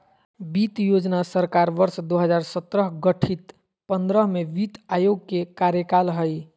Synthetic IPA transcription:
bit̪jod͡ʒnasəɾkaɾʋəɾsd̪oɦəd͡ʒaɾsət̪ɾəɦɡəʈʰit̪ | pənd̪ɾəɦmebit̪ajoɡ̚kekaɾjəkalɦəj

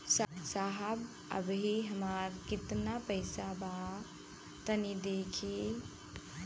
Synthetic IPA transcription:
ssaɦəb | ə̰bɦiɦəmaɾkit̪napəɪsaba | t̪ənid̪ekʰi

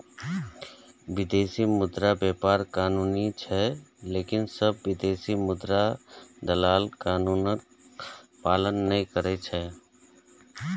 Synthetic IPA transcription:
ʋɪd̪eːsimʊd̪ɾabɛːpaːɾkaːnuːnit͡ʃʰɛleːkɪnsəbːɪd̪eːsimʊd̪ɾad̪ɐlaːlkaːnuːnək̚ | paːlənːɐĩkəɾet͡ʃʰɛː

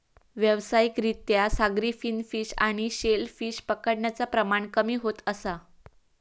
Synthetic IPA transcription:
ʋjəʋsajikɾit̪jasaɡɾiːfinfiːɕaɽ̃iɕelfiːɕpəkəɽɳjat͡sapɾəmaɳkəmiːɦot̪əsa

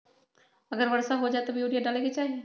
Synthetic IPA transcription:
ɐɡəɾʋɐɾsaɦod͡ʒaːet̪obʱijuːɽijaɖaːleket͡ʃaːɦie

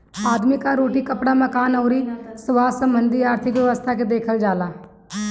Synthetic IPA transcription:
aːd̪mikaɾoːʈikəpɽaməkaːnɦoːɾiːsəʋaːsəmbənd̪ʱiaːɾt̪ʰɪkʋjəʋəst̪ʰaked̪eːkʰəld͡ʒaːlaː

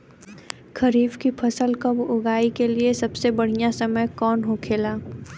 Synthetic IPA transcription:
kʰɐɾiːbkipʰɐsəlkɐbʊɡaːikeliesɐbsebɐɽ̤ijasɐməjkɔːnɦokʰeːlaː

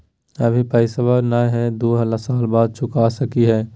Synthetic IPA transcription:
əbʱipəɪsabaɾnaːjɦɛd̪oːɦələsaːlbaːd̪̚t͡ʃʰʊkasəkiɦɛː

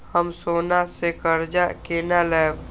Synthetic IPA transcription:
həmsoːnasekəɾd͡ʒakeːnalɛːw

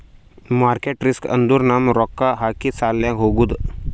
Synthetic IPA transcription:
maːɾkeːʈɾɪskə̰̃nd̪uɾnaːmɾɔːkːaɦakisaːlːjãɡʱoɡud̪

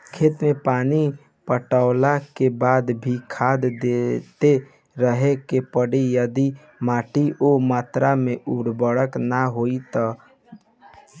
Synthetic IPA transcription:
kʰet̪mepani | pəʈaʊlakebad̪bʱikʰad̪d̪et̪e | ɾəɦekepəɽijəd̪i | maʈiʔomat̪ɾameuɽbəɽəknaɦoit̪ə

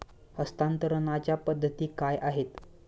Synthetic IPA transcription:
əst̪ant̪əɾənat͡ɕjapəd̪ʱːət̪iːkajʔaɦet̪

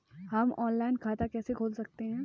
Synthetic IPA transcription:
hɐmɔːnlaːɪnkʰaːt̪akɛːsekʰoːlsɐk̚t̪eɦɛ̃ː

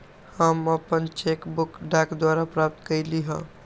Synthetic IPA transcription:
həməpənt͡ʃekbukɖakd̪waɾapɾap̚t̪kəjliɦə̰̃

